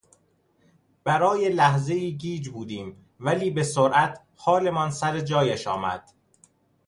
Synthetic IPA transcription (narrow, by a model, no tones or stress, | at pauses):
b̥æɾɒːjelæhze̞iːɟiːd͡ʒbuːd̪iːm | væliːbe̞soɾʔæt̪ʰ | hɒːle̞mɒnsæɾed͡ʒɒːjeʃɒ̰ːmæ̰d̪̥